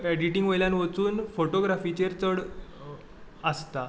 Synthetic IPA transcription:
ɛɖiʈiŋɡʋojljanʋət͡suːnfoʈoɡɾafit͡ɕeɾt͡səɽ | əst̪a

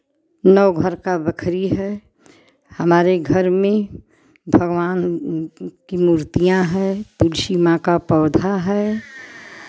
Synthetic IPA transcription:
nəʊɡʱəɾkabəkʰɾiɦɛ | həmaːɾeɡʱəɾmẽ | bʱəɡʋaːn | kimuːɾt̪ijãɦɛt̪ulʃimãkapɔːd̪ʱaɦɛ

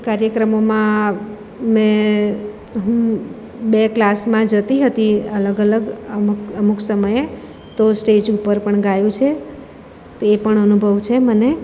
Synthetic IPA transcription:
kaɾjəkɾəmomã | mẽ | ɦũ | beklasmãd͡ʒət̪iɦət̪iələɡələɡəməmuksəməje | t̪osʈed͡ʒupəɾpəɳɡajũt͡ʃʰe | t̪epəɳənubʱəʋt͡ʃʰeməne

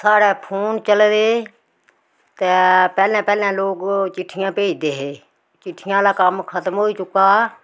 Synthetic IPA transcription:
saːɽɛːpʰoːnt͡ʃəld̪eː | t̪eːpɛːlɛ̃ːpɛːlɛ̃ːloːkt͡ʃɪʈʰːɪjãːpeːid̪eːɦeː | t͡ʃɪʈʰːɪjãːlaːkəmkʰət̪mɦoːiːt͡ʃʊkːaː

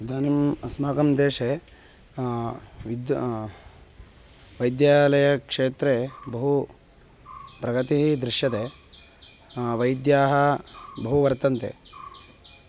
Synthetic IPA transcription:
d̪aːnimɐsmaːkɐmd̪eːʂe | ʋid̪ | ʋɐjd̪jaːlɐjɐkʂeːt̪ɾebɐɦu | pɾɐɡɐt̪iɦid̪ɾiʂjɐt̪e | ʋɐjd̪jaːɦɐbɐɦuʋɐɾt̪ɐnt̪ḛ

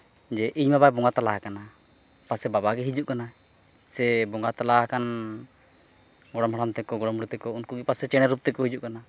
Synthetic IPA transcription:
d͡ʒɛʔiɲmabajbɔŋɡat̪alaɦakana | pasɛbabaɡɛɦid͡ʒuʔkana | sɛbɔŋɡat̪alaakan | ɡɔɽɔmɦaɽamt̪ɛkɔɡɔɽɔmuɽit̪ɛkɔunkuɡipasɛt͡ʃɛɽ̃ɛɾup̚t̪ɛkɔhid͡ʒuʔkana

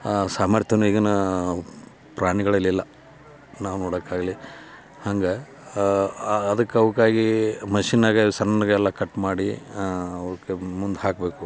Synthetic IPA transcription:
saːmɐɾt̪ʰjɐnuiɡɐnɐ | pɾaːɳiɡɐɭɐlːilːɐ | naːʋunoːɽɐkːaːɡɐli | hɐŋɡe | d̪ɐkːɐʋɐkːaːɡimɐʃinaːɡɐsɐnːɐnɐɡɐɛlːɐkɐʈːmaːɽi | ɐʋɐɾukːemund̪ɦaːkbe̞ːku

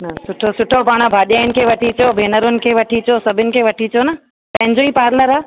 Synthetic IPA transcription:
nɐsʊʈʰosʊʈʰopaːɽ̃əbʱaːɗjaːɪnɪ̆kʰeʋɐʈʰit͡ɕobʱeːnəɾʊnɪ̆kʰeːʋɐʈʰit͡ɕosɐbʱɪnɪ̆kʰeʋɐʈʰit͡ɕonɐ | pɐ̃ɦɪ̃ɲd͡ʑoipaːɾləɾaː

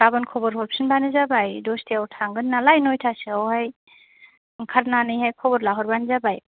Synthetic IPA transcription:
ɾabɯnkʰɔbɔɾɦɔɾpsinbanɯzabajdɔstʰiawtʰaŋɡɯnːalajnojtʰasiawhaj | kʰaɾnanɯjɦajkʰɔbɔɾlaɦɔɾbanzabaj

